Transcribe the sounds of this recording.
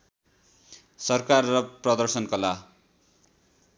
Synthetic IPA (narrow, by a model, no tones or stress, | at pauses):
sʌrkarːʌprʌd̪ʌrsʌnkʌla